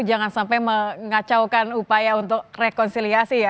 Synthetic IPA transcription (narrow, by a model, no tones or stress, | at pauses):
d͡ʒaŋansampajməŋat͡ʃawkanupajaunt̪ʊk̚rekɔnsiliasija